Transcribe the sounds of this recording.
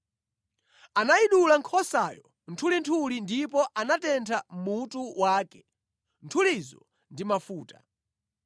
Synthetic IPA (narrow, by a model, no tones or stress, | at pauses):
anaiɗulaŋkʰɔsajɔ | n̩tʰulintʰulindipɔʔanatɛntʰamutuwaːkɛ̥ | ntʰulizɔ̰ | ndimafuːta